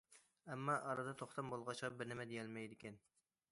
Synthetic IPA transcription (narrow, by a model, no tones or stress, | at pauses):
ɛmːɑʔɑɾɑd̪ɑt̪ʰoχt̪ʰɑmbolˠʁɑʃqɑbɪɾnɪmɛd̪ejɛlmɛjd̪ɪkʲɛn